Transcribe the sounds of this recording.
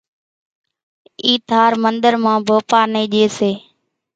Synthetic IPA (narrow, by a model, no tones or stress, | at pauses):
iːt̪aːɾmənd̪əɾmãːbʱoːpaːɾniːɗeːseː